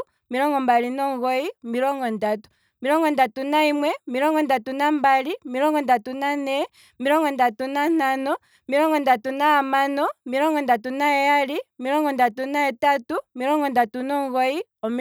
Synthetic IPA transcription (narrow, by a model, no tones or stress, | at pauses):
miɾɔŋɡɔmbalinɔŋɡɔimiɾɔŋɡɔndatu̥ | miɾɔŋɡɔndatunaimwɛmiɾɔŋɡɔndatunambalimiɾɔŋɡɔndatunanɛ | miɾɔŋɡɔndatunan̥anɔ | miɾɔŋɡɔndatunaamanɔmiɾɔŋɡɔndatunaɛjalimiɾɔŋɡɔndatunaɛtatumiɾɔŋɡɔndatunɔŋɡɔi | ɔm